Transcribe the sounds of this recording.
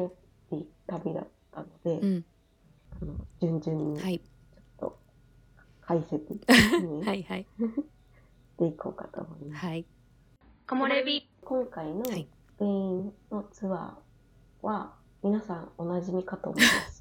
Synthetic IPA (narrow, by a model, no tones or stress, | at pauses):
o | it̪abʲid̪a̰t̪ːano̞d̪e̞ | ano̞̰d͡ʑɨ̃ɲ̟d͡ʑɨ̃ɲːi | t͡ɕo̞̥t̪ːo̞̰ | kʰaiset̪ɨɲiha | ɕt̪e̞iko̞ːkat̪o̞̰ːmo̞ima | komoɾebʲi | kõ̞ŋkaino̞ | kɯ̟̃nno̞t͡sɨβa̰ | βa | mʲinasãŋo̞naʑimʲikat̪o̞ːmoima̰sɨ̥